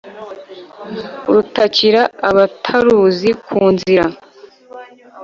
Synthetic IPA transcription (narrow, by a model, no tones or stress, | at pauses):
uɾutaciɾaaβatʰaɾuzikʰuːnziɾa